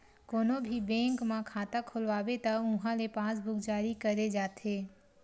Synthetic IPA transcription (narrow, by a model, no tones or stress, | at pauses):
koːnobʱibɛ̃ːŋkmãkʰaːt̪akʰʊlʋaːʋet̪ɐʊ̃ɦãlepaːs̬bʊkd͡ʒaːɾikɐɾed͡ʒaːt̪ʰeː